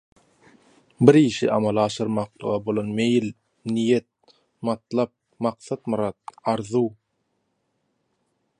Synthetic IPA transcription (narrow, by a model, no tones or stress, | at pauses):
biɾiʃḭʔɑ̰mɑlˠɑːʃɯɾmɑqlˠɯ̰ʁɑbolˠonmejl | nijet̪̚ | mɑt̪lˠɑp̚ | mɑqθɑt̪mɯɾɑt̪̚ɑɾðuw